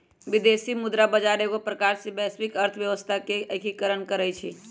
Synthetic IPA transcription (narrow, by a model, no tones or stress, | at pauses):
bid̪esimʊd̪ɾabəd͡ʒaɾeɡopɾəkaɾsebɛsʋikəɾt̪ʰəʋjəʋəst̪ʰakeəkʰikəɾənkəɾəjt͡ʃʰi